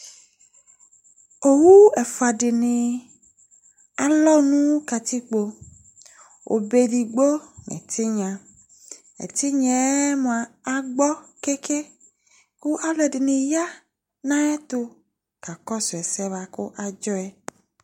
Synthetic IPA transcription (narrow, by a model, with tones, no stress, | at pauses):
o˨wu˦e˨fo˨a˨ɖɪ˨nĩ˨ | a˨lɔ˦nũ˦ka˨t̪i˦k͡po˦ | wʔo̰˨be˨di˨ɡ͡bo˦nḛ˨t̪ʰi˦ɲã˨ | ḛ˨t̪i˦ɲɛ˨˦mõ˨a˨a˦ɡ͡bɔ˦ke˦ke˦ | ku˦ʔa˦lɛ˨di˨nĩ˨ja˦ | nã˦ɛ˦t̪o˦ | ka˨kɔ˦sɔ˨ɛ˨sɛ˦va˦ko˦ʔa˨d͡ʒɔ˦ɛ˨